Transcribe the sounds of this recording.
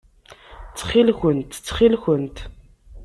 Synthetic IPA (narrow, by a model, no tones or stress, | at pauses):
t͡sːχilxənt̪t͡sːχilxənt̪